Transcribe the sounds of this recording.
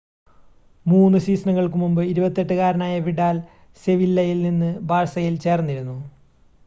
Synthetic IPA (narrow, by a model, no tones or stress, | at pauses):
muːnːɨɕiːsɐɳɐŋːɐɭkɨmumbɨiɾubɐt̪ːe̞ʈːɨɣaːɾɐnaːjɐʋiɽaːl | se̞ʋilːɐjilninːɨbaːɻsɐjilt͡ɕeːrnːiɾunːu